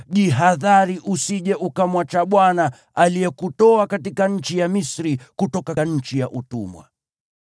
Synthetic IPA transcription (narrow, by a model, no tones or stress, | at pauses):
ʄiɦaðaɾiʔusiʄɛʔukamwat͡ʃaɓwana | alijɛkutɔakatikaɲ̩t͡ʃijamisɾikutɔkaɲ̩t͡ʃijaʔutṵmwa̰